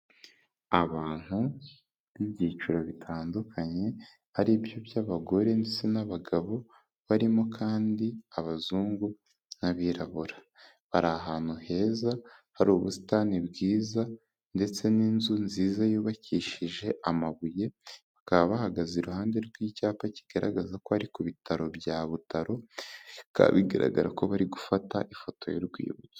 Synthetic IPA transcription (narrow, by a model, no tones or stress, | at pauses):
aβaːn̥hu | βibjiːt͡ʃuɾoβitʰaːndukʰaɲe̞ | haɾibjo̞bjaβaɡo̞ɾe̞ndet͡se̞naβaɡaβo̞ | βaɾimo̞kʰaːndiaβazuːŋɡu | naβiɾaβuɾḁ | βaɾaɦaːn̥uhe̞ːzahaɾuːβusi̥tanibɡiːza | nde̞t͡se̞ninzunziːzajuːβaciʃiʒe̞ʔamaβuje̞βakaβaβahaɡaziɾuhaːnde̞ɾɡwiːcaːpaci̥ɡ̥aɾa̰ɡazakohaɾikuβitʰaɾo̞bjaβutaɾo̞ | ka̰βiɡa̰ɾa̰ɡa̰ɾa̰ko̞βaɾiɡufataʔifo̞to̞̰jo̰ɾɡwḭːβut͡se̥